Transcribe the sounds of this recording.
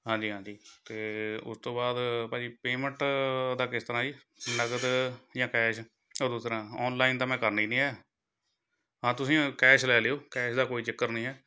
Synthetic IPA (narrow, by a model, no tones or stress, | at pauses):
ɦãːd͡ʒiːɦãːd͡ʒiːt̪eːʊ̰st̪õːbaːd̪paːd͡ʒiːpeːməɳʈd̪aːkɪst̪əɾãːd͡ʒiː | nəɡəd̪d͡ʒãːkɛːʃ | oːd̪uːsɾãːɔːnlaːind̪aːmɛ̃ːkəɾniːnĩːɛː | ɦãːt̪ʊsĩːkɛːʃlɛːleːoːkɛːʃd̪aːkoːiːt͡ʃɪkːəɾnĩːɛː